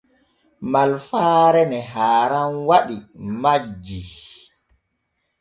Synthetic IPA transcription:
malfaːɾɛnɛɦaːɾanwaɗimad͡ʒːi

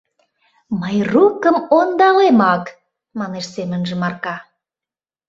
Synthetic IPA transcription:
məjrukəmond̪ɑlemɑk | mɑneʃsemənʒə̆mɑrkɑ

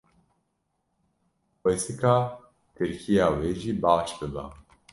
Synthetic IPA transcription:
xʷesɨkaː | k̪ʰɨɾkʰijaːweːʒiːbaːʃbɨba̰

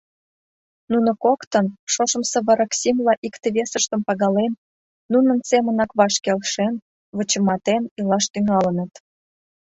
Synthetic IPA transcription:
nunŏkokt̪ənʃoʃə̆msə̆βə̆ɾə̆ksimlɑʔikt̪eβesəʃt̪ə̆mpɑɣɑlenː | unə̆nsemənɑkβɑʃkelʃen | βə̆t͡ɕə̆mɑt̪enilɑʃt̪yŋɑlə̆nə̆t̪

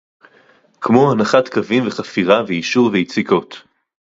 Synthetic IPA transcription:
kmohanaχatkavimveχafiʁavejiʃuʁveit͡siko̞t

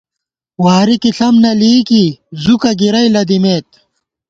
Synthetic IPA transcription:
waːɾikiɬɐmnɐliːkizukɐɡiɾɐjlɐd̪imeːt̪̚

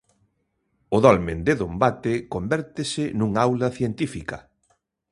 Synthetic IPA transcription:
ʊðɔlmend̪ɪðombat̪ɪkombɛɾt̪ɪsɪnuŋawlɐθjent̪ifikɐ

